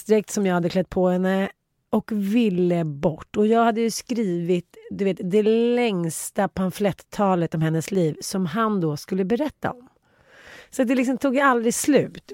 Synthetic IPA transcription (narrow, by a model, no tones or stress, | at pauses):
sd̪ɾɛk̚t̪sɔmjɑɡhad̪ːəkʰlɛt̪̚ːpʰɔhɛnːə | ɔkvɪlːəbɔʈːɔjɑːɡhad̪ːəjɵskɾiːvɪt̪d̪ɵveːt̪d̪ɛlɛŋst̪apʰanflɛt̪ʰːɑːlət̪ɔmhɛnːəsliːvsɔmɦand̪ɔskɵlːəbɛɾɛt̪ːa̰ɔm | sɔat̪̚d̪ɛlɪksɔmt̪ʰuːɡjaald̪ɾɪslʉ̟ːt̪